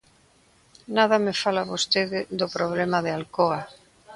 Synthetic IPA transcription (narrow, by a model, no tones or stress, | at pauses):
naðamɪfalaβost̪eðɪðopɾoβ̞lemaðɪalkoa